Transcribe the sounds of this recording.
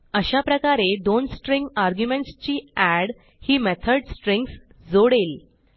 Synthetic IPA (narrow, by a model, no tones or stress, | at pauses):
əɕapɾəkaɾed̪onsʈɾiŋɡaɾɡjumẽɳʈst͡ɕiːæɽ | hiːmet̪ʰəɖsʈɾĩŋɡs | d͡zoɽel